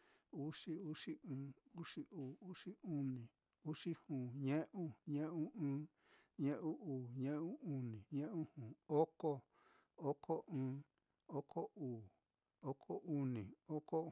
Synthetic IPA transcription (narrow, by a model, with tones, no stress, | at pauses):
u˦ʂi˦u˦ʂi˦ʔɨ̃ː˨˦u˦ʂi˧˦ʔuː˨u˦ʂi˦u˦nĩ˨ | u˦ʂi˦hũː˨ɲẽ˦ʔũ˦ɲẽ˦ʔũ˦ɨ̃ː˦ | ɲẽ˦ʔũ˦uː˨ɲẽ˦ʔũ˦u˧nĩ˨ɲẽ˦ʔũ˦hũː˨o˦ko˦ | o˦kʰo˦ʔɨ̃ː˦ | o˦kʰo˦ʔuː˨ | o˦kʰo˦ʔu˦nĩ˨o˦ko˦